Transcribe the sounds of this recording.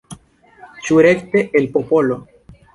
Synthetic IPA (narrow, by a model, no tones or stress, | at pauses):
t͡ʃuɾekt̪eʔelpopolo